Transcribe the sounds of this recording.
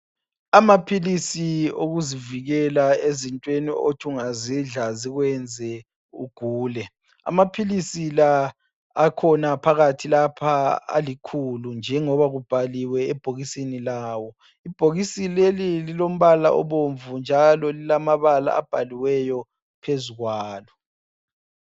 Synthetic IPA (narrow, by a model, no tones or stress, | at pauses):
amapʰilisioɣuziviɣɛlaezintʼwenio̰tʰuŋaziɮaziɣwɛnd͡zʱɛ | uɡ̥ʱuːlɛ | a̰mapʰilisilaː | kʰɔnapʰaɣatʰilapʰaa̰likʰulund͡ʒʱɛŋɔβaɣub̥ʱaliwɛɛb̥ʱoɣisinilaːwɔ | ib̥ʱoɣisilelililom̩βalaʔɔ̰βoɱvund͡ʒʱalɔlilamaβala̰ab̥ʱaliwɛjɔ | pʰezuɣwaːlɔ